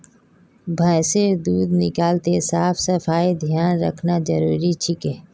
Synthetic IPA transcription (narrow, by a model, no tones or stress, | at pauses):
bʱəːsed̪uːd̪nɪkaːlt̪esaːpʰsɐfʰaːid̪ʱjaːnɾə̰kʰnad͡ʒɐɾuːɾit͡ʃʰɪkeː